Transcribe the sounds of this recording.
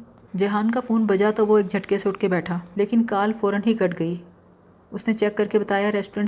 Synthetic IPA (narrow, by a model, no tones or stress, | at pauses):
d͡ʒɐɦaːnkafuːnbɐd͡ʒat̪oʋoeːk̚d͡ʒʱɐʈkeseʊʈʰkebɛːʈʰaːleːkɪnkaːlfɔːɾənɦikɐʈɡɐi | ʊsnet͡ʃɛːkːɐɾkebɐt̪aːjaɾɛːsʈoɾə̃ɳʈ